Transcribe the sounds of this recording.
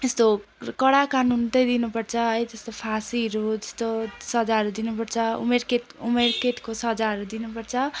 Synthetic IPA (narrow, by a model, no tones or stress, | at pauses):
est̪okʌɽakanunt̪ʌjd̪inupʌrt͡sʰʌɦʌjtʌst̪opʰasiɾud͡zʌst̪osʌd͡zaɦʌɾud̪inupʌrt͡sʰʌṵmerket̪umerkeʈ̪kosʌd͡zaɦʌɾud̪inupʌrt͡sʰʌ